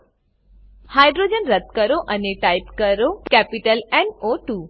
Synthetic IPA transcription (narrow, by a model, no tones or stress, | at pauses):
hajɖɾod͡ʑənɾət̪kəɾoʔɐneʈajpkəɾokɛpiʈəlɛnoʈuː